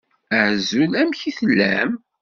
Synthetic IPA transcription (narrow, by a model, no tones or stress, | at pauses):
əʕzulæmçiθəlːæ̰m